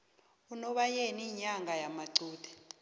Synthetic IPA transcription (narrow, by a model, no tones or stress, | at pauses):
unɔɓajeniɲaŋɡʱajamaǀuːd̥ʰʱʼɛ̥